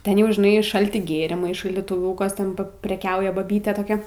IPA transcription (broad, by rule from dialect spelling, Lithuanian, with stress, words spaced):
ˈtʲɛn jɛʊ ʒʲɪˈnɐɪ ˈʃɐlʲtʲɪ ˈɡʲeːrʲɪmɐɪ ʃɐlʲdʲiːtʊˈʋʲuːkɐs ˈtʲɛn pʲrʲɛˈkʲɛʊjɛ bɐˈbʲiːtʲeː toːˈkʲɛ